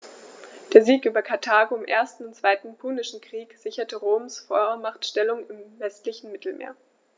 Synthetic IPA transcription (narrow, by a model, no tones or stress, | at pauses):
d̥eːɐziːkʔyːbɐkʰaɐtʰaːɡoɪmʔeːɐstn̩ʊntt͡sv̥aɪtn̩pʰunɪʃn̩kʁ̥iːkz̥ɪçɐtəʁoːmsfɔmaχtʃtɛlʊŋɪmvɛstlɪçn̩mɪtl̩mḛːɐ